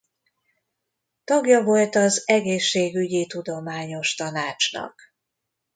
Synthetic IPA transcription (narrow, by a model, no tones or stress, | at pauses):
t̪ɒɡjɒvo̞lt̪ɒzɛɡeːʃːeːɡyɟit̪ud̪o̞maːɲo̞ʃt̪ɒnaːt͡ʃnɒ̰k